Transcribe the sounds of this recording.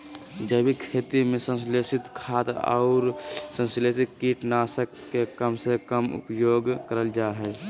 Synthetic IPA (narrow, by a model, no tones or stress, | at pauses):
d͡ʒəbʱikʰeːt̪imẽsə̃nsleːsɪt̪kʰaːt̪ɔ̰ʊɾsə̃nslesɪt̪̚kiːʈnaːsəkːekəmsekəmʊ̰pjoːɡkəɾəld͡ʒaːɦɛː